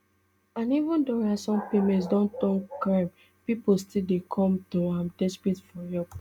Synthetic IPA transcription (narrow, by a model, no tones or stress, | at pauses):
ãnivũndɔ̃nasɔ̃mpemɛ̃nts̬dɔ̃ntɔ̃ŋkɹãm | pipostildekʰɔ̃mtoãmdɛspitfɔjɔp